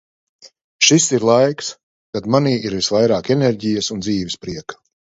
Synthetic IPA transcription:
ʃisiɾlˠajks | t̪ad̪maniːʔiɾvisvajɾaːkeneɾʲɟijɐsund̪ziːvʲispɾiɛkḁ

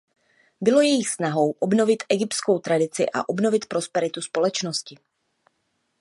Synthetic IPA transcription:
bɪlo̞jɛjɪxsnaɦo̞wʔobno̞vɪt̪ʔɛɡɪpt̪sko̞wt̪ɾadɪt͡sɪ̰ʔa̰ʔo̞bno̞vɪt̪pɾo̞spɛɾɪt̪uspo̞lɛt͡ʃno̞scɪ

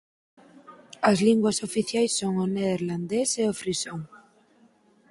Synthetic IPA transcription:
ɐzliŋɡwɐsofiθjajsːoŋoneðeɾland̪eseofɾisoŋ

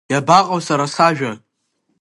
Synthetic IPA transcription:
jabaqʼawsaɾasaʒᶣa

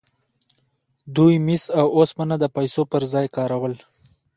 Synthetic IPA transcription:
d̪ujmisawosmanad̪əpajsopəɾzɑjkɑɾawəl

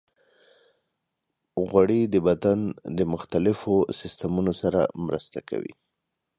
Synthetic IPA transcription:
ɣwaɽid̪əbad̪and̪əmʊxt̪alɪfosɪst̪amunosaɾa̰mɾə̰st̪aka̰wḭ

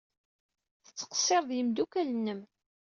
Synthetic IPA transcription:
θət͡sːə̥qsˤːeɾˤðjimd̪ukælənːəm

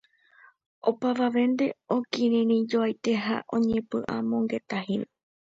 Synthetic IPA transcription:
opaʋaʋẽ̞nd̪e̞o̞kĩɾĩɾ̃ĩd͡ʒoajt̪e̞ɦa̰ʔõ̞ɲẽ̞pɨʔã̰mõ̞ŋɡe̞t̪ahime

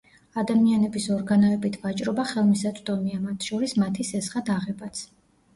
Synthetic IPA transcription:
ad̪amianɛbisɔɾɡanɔɛbit̪ʰvat͡ʃʼɾɔbaχɛlˠmisat̪ʼd̪ʼɔmiamat̪ʰʃɔɾismat̪ʰisɛsχad̪aʁɛbat̪sʰ

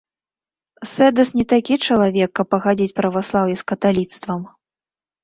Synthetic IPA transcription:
sɛd̪ɐsnʲɛt̪akʲit͡ʂɐlˠavʲɛkːɐpːɐɣad͡zʲit͡sʲpɾɐvaslˠawjɛskɐt̪alʲit̪st̪vɐm

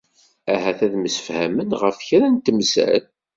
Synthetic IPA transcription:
æɦæθæðməsə̥fhæmənʁəfçɾænt̪əmsæ̰l

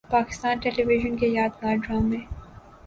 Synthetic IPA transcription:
paːkɪ̥st̪aːnʈɛːliʋɪʒənkejaːd̪̚maːɖɾaːmẽː

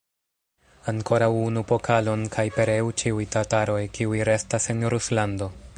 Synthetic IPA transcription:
aŋko̞ɾawunupo̞kʰalo̞nkʰajpe̞ɾe̞ut͡ʃiujtataɾo̞jkiujɾe̞stase̞nɾuslando̞

